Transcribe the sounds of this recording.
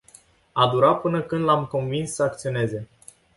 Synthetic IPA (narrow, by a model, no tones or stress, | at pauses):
ad̪uɾapɨnəkɨnd̪lamko̞nvinsːəak̚t̪sio̞ne̞ze̞